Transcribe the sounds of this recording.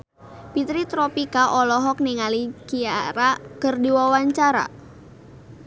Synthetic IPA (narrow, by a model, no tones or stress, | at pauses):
pit̪ɾit̪ɾɔpikaʔɔlɔɦɔk̚niŋalikiaɾakərdiwawaɲt͡ʃaɾa̰